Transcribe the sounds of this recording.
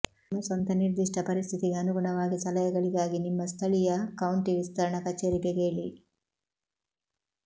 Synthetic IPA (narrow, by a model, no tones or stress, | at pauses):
mɐsɐnt̪ɐniɾd̪iʂʈʰɐpɐɾist̪ʰit̪iɡeɐnuɡuɳɐʋaːɡisɐlɐjɐɡɐɭiɡaːɡinimːɐst̪ʰɐɭijɐkɐwɳʈiʋist̪ʰɐɾɐɳɐkɐt͡ʃːeːɾikeɡeːɭḭ